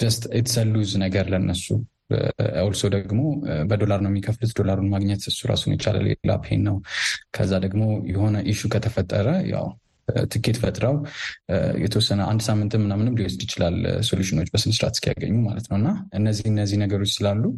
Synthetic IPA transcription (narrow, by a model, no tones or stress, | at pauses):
d̪̥əst̪ʰɛt̪ʰsəlːuznəɡəɾlənːəsṵ | awlsod̪əɡmo̞bəd̪o̞laɾnəwjɛmikʰəflut̪d̪o̞laɾunmaɡɲɛt̪ɨsːuɾa̰sunjɛt͡ʃa̰la̰ljɛ̰la̰pʰḛnːəwkʰəzːad̪əɡmo̞jɛho̞nəʔɨʃukʰət̪ʰəfət̪ʼːəɾəja̰w | t̪ʰɨkːet̪ʰfət̪ʼɾəw | jɛ̰t̪ʰəwɔsːənəʔa̰nd̪samːɨnt̪ʰɨnmːɨnːamɨnɨmd̪iost̪ɪt͡ʃɪlalso̞ljuʃɪno̞t͡ʃːbəsɨnsɨɾa̰t̪skʰija̰ɡə̰ɲːumalət̪nəwɨnːaʔɨnːəzːihɨnːəzːihnəɡəɾo̞t͡ʃːsɨlalːu